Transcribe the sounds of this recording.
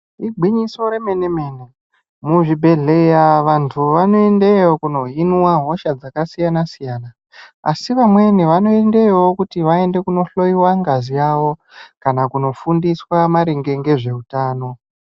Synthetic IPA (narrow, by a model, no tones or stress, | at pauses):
iɡʱiɲiso̞ɾeme̞neme̞ne | muʐibʱe̞ɮe̞jaʋantʰuʋano̞e̞ndeokuno̞ɦinwaɦo̞ʃad͡zakasijanasijaːna̰ː | siʋamwe̞niʋano̞ende̞wo̞kutiʋae̞nde̞kuno̞ɬo̞jiwaŋɡazijaːwo̞ | kanakuno̞fundiswamaɾeŋɡe̞ŋɡe̞ʐe̞utaːno̞